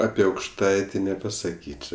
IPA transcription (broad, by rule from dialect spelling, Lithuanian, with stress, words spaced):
ˈɑːpʲɪ ɐʊkʃˈtɐɪtʲɪ nʲɛpɐsɐˈkʲiːt͡ʃʲoː